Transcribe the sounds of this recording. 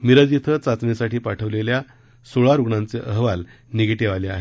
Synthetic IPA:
miɾəd͡zit̪ʰət͡sat͡snesaʈiːpaʈʰəʋlelja | soɭaɾuɡɳãnt͡seʔəɦʋal | niɡʈeʋaleaɦe

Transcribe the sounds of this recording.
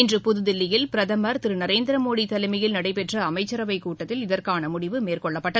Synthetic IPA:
ɪndrɯpʊðɯðɪlːɪjɪlpɪɾɐðɐmɐɾt̪ɪɾɯnɐɾeːnd̪ɪɾɐmoːɽit̪ɐlɐɪmɪjɪlnɐɽɐɪpɛʈrɐɐmɐɪt͡ʃːɐɾɐʋɐɪkuːʈːɐt̪ːɪlɪðɐɾkaːnɐmʊɽɪʋɯmeːrkɔɭːɐpːɐʈːɐ

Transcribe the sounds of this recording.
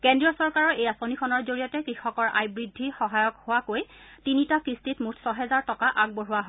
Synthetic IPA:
kɛndɹijɔsɔɹkaɹɔɹejasonikʰɔnɔɹzoɹijatɛkɹixɔkɔɹʔa̰jbɹidʱːixɔɦajɔkhʊwakoj | tinitakɹistitmutʰsɔɦɛzaɹtɔkaʔaɡ̚boɹuwaɦ

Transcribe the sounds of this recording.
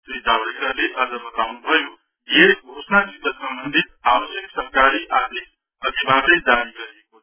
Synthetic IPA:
t̪jd͡zad̪ekaleʔʌd͡zʌbʌt̪awnubʱʌjo | jeɡʱosnad̪ikʌsʌmbənd̪ʱit̪̚awəsjəksʌɾkaɾiʔat̪ik | ʌd̪ʱibad̪əjd͡ʒaɾiɡʌɾijeko

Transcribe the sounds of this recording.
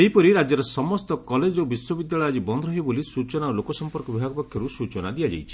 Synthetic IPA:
eɦipɔɾiɾad͡ʒjɔɾɔsɔmɔst̪ɔkɔled͡ʒobiswɔbid̪jaɭɔjɔd͡ʒibɔnd̪ʱɔɔɦibolisut͡ʃɔnaɾɔlokɔsɔmpɔɾkɔbibʱaɡɔpɔkʰːjɔɾusut͡ʃɔnad̪iad͡ʒa̰jt͡ʃʰi̥

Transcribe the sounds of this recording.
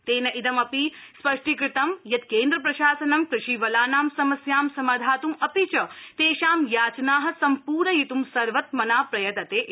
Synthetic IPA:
t̪eːnɐʔid̪ɐmɐpispɐʂʈikɾɪt̪ɐmjɐt̪̚keːnd̪ɾɐpɾɐʃaːsɐnɐmkɾɪʃiʋɐlaːnaːmsɐmɐsjaːmsɐmaːd̪ʱaːt̪umɐpit͡ʃɐt̪eːʃaːmjaːt͡ʃnaːɦɐ̆sɐmpuːɾɳɐjit̪umsɐɾʋɐt̪mɐnaːpɾɐjɐt̪ɐt̪e

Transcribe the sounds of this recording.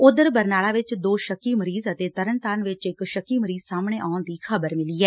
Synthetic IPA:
ʊd̪əɾbəɾnaːlaːʋɪt͡ʃd̪oːʃəkːiːməɾiːzət̪eːt̪əɾənt̪aːnʋɪt͡ʃɪkʃəkːiːməɾiːzsaːmɳeːʔaːʊnd̪iːkʰəbəɾmɪliːɛː

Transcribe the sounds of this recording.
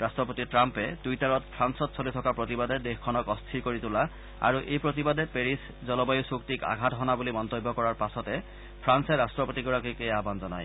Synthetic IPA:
ɹastɹɔpotitɹampɛdujtaɹɔt̚pʰɹansɔtsʰolitʰɔkapɹotibadɛdexkʰːɔnɔkɔst̪ʰiɹkoɹitula | a̰ɹuʔejpɹotibadɛpeɹis | zɔlɔbajusuktika̰ɡʱatɦɔnabulimɔnt̪obːɔkɔɹaɹpasɔtɛ | pʰɹansɛɹastɹɔpotiɡɔɹakojkejabanzɔna̰j

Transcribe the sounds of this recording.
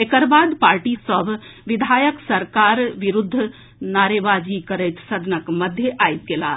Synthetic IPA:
ekəɾbad̪paɾʈisəbʱʋid̪ʱajəksəɾkaɾʋiɾud̪ʱː | naɾebad͡ʒikəɾəjt̪səd̪ʱnəkməd̪ʱjeʔajt̪̚kela̰

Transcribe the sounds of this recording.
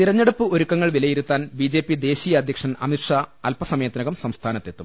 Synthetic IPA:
t̪iɾɐɲːeɽupːɨo̞ɾukːɐŋːɐɭʋilɐjiɾut̪ːaːnbid͡ʑe̞ːpːid̪e̞ːɕijɐːd̪ʱjɐkʂɐnɐ̰mitʂaːɐlpɐsɐmɐeːt̪ːɐnɐɣɐmsɐmst̪ʰaːnɐt̪ːe̞t̪ːum

